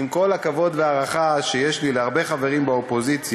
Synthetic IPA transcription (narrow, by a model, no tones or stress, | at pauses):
imko̞lakavo̞d̪veaʁaχaʃejeʃlileaʁbe̞χave̞ʁimbaopo̞zit͡s